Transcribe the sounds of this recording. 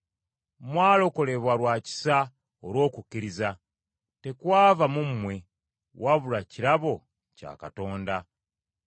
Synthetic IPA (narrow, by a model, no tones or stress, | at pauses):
mwaːlo̞ko̞le̞βwalwaːci̥sa | oɾwo̞ːkukːiɾiza | te̞kwaːvamumːwe̞ | wʔaβulaciɾaβo̞ | ca̰ːka̰to̞ːnda